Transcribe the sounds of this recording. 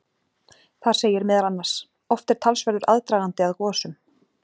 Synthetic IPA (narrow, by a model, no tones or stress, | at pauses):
θḁseːjɪɾmɪːðalanːaɾ̥s | ɔft̪ɛɾ̥t̪ʰalsvɛɾðʏɾʔa̰ðt̪ɾaːɣant̪ɪaðkɔːsʏm